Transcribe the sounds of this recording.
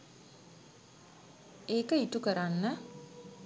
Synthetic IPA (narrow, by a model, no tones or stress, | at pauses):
eːkəitukəɾanːə